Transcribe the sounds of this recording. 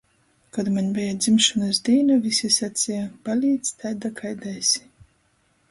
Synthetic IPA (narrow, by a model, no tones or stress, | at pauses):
kad̪maɲʲbʲɛjad̪zimʃunɨzd̪iːnuvʲisʲisat̪sʲijab̥alʲiːt̪st̪ajd̪akʰajd̪ɛjsʲi̥